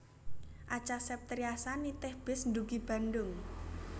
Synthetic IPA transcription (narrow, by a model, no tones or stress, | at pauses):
ʔat͡ʃasɛp̚t̪ɾiasanit̪ɪhb̥ɪsnd̪uɡib̥a̤ndʊŋ